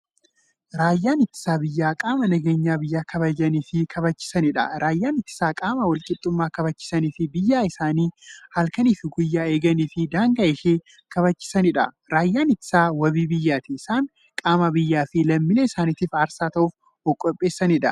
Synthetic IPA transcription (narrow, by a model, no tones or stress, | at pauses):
ɾaːjːaːnɪt̪ːɪ̥saːbɪjːaːkʼaːmɐnɐɡe̞ːɲːaːbɪjːaːkʰɐbɐd͡ʒɐniːfɪkʰɐbɐt͡ʃːɪ̥sɐnɪᶑɐ̰ɾaːjːaːnɪt̪ːɪ̥saːkʼaːmɐwɐlkʼɪt̪ʼːʊmːaːkɐbɐt͡ʃːɪ̥sɐniːfɪbɪjːaːɪsaːniːhɐlkɐniːfɪɡʊjːaːeːɡɐniːfɪd̪aːŋɡɐʔeʃeː | kɐβɐt͡ʃːɪ̥sɐnɪᶑɐ̰ | ɾaːjːaːnɪt̪ːɪ̥saːwɐbiːbɪjːaːt̪ɪɪsaːŋ | kʼaːmɐbɪjːaːfɪlɐmːɪlɛɪsaːniːt̪iːfaːɾsaːt̪ɐʔuːf | ɔkʼːɔpʼːe̞ːsːɐnɪᶑɐ̰